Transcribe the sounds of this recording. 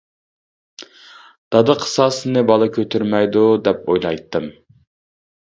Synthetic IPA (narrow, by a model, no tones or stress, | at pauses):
d̪̥ɑd̪ɨqʰə̥sɑːsɨnɨbɑlˠɨkʲʰøt̪ʰyɾmɛjd̪ud̪ɛp̚ojlˠɑjt̪ːɨm